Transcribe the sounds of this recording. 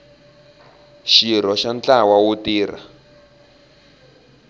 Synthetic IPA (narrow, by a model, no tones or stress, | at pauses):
ʃiɾɔʃant͡ɬawawutiːra̰